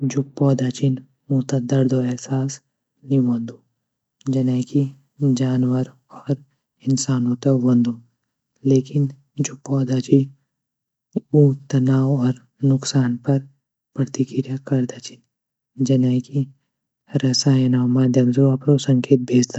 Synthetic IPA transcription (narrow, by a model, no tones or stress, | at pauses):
d͡ʒʊpːɔːd̪aːt͡ʃin | uːt̪ad̪ɐɾd̪oɛɦsaːs | niʋõnd̪o | d͡ʒɐnaːki | d͡ʒaːnwəɾ | ɔːɾ | ɪnsaːnõːt̪ɐʋɐ̃nd̪ʱo | leːkɪn | d͡ʒʊpːɔːd̪at͡ʃi | ũːt̪ɐnaːwɔːɾ | nʊksaːnpɐɾ | pɾət̪ikɪɾjakɐɾd̪aːt͡ʃɪ̥n | d͡ʒɐnaːki | ɾɐsaːnaːmãd̪jɐmzoɐpɾosɐ̃ŋkeːt̪̚bʱeːd͡ʒd̪a